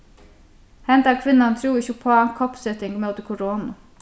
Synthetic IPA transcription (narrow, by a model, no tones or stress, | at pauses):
hɛnd̪ɑːkʰʋɪnɑnt̪ʰɾuːɪçəpʰoːkʰɔpsɛt̪ɪŋɡmoːt̪əkʰʊɾoːnʊ